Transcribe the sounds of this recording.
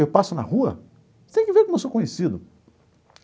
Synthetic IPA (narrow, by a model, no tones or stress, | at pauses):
ewpasʊnɐ̰huɐ̰ | t̪ẽj̃kɪveɾkõmewsokõɲesid̪ʊ